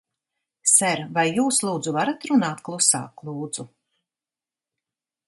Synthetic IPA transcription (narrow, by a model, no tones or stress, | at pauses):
sɛɾvajːuːslˠuːd̪zuvaɾat̪ɾunaːt̪klˠusa̰ːklˠuːd̪z̥u